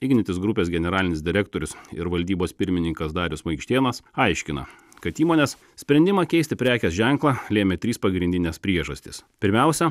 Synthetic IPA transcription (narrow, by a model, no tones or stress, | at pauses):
ɪɡʲnʲɪt̪ʲɪsɡɾʊpʲeːsɡʲɛnʲɛɾɑːlʲɪnʲɪsd̪ʲɪɾʲɛk̚t̪oːɾʲʊsɪ̰ɾʋɐlʲd̪ʲiːboːspʲɪɾʲmʲɪnʲɪŋkɐsd̪ɑːɾʲʊsmɐɪkʃʲt̪ʲeːnɐsɐɪʃʲkʲɪnɐ̰ | kɐt̪iːmoːnʲɛs | sʲpʲɾʲɛnʲd̪ʲɪmɐkʲɛɪst̪ʲɪpʲɾʲæːkʲɛsʒʲæŋklˠɑlʲeːmʲet̪ʲɾʲiːspɐɡɾʲɪnʲd̪ʲɪnʲɛspʲɾʲiɛʒɐsʲt̪ʲɪspʲɪɾʲmʲɛʊsʲɛ